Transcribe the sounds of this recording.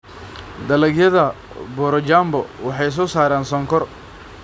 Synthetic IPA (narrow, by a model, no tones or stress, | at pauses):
d̪ɐlɐɡjɐðɐ | bɔɾɔt͡ʃaːmbɔwɑħɑjs̬ɔːsaːɾaːnsɔŋkʰɔr